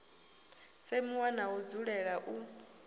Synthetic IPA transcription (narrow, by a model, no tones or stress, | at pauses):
semiwanaud͡zuɺɛɺaʔu